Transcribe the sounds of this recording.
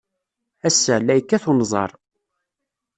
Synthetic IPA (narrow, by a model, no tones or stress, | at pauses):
æsːælːæjkːæθunzˤɑ̰ɾˤ